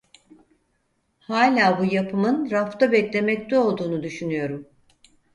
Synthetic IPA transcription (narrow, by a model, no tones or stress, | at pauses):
haːlʲaːbujapʰɯmɯnɾaft̪abɛclʲe̞mɛct̪ɛo̞lˠd̪uːnud̪yʃynyjo̞ɾum